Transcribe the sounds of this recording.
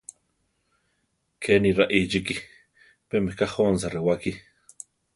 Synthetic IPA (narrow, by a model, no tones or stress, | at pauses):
kʰeniɾaʔid͡ʒiki | pemehkahonsaɾewaki